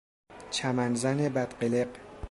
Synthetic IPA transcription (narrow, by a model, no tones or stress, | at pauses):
t͡ʃʰæmænzænebæd̪̥ɢeleq